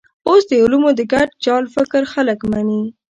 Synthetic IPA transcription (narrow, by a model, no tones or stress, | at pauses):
osd̪əʊlumod̪əɡaɖ̚d͡ʒɑlfɪkɾxaləkmani